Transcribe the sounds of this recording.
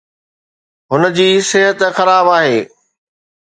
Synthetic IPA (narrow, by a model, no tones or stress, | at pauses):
ɦʊnə̆d͡ʑiːsɪɦət̪xɐɾaːbaːɦeː